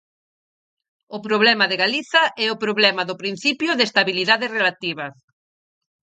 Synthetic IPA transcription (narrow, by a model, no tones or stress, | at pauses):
ʊpɾoβ̞lɛmaðeɣaliθɐʔɛʊpɾoβlɛmɐðʊpɾin̟θipjʊðest̪aβiliðaðesrelat̪iβɐs